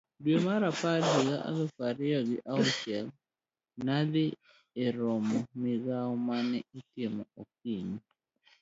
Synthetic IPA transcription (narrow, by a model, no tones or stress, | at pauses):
dwemaɾapalɦɪɡaʔa̰lɔfaɾɪaɡɪʔaɔt͡ʃɛl | nadɪː | ɾɔmɔmɪɡaɔmanɛitɪmɔok̚iɲi